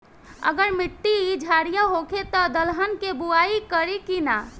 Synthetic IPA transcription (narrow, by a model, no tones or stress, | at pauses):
ə̰ɡəɾmiʈːiid͡ʒʱaɽijaɦokʰet̪ɔd̪əlɦənkebuaikəɾikina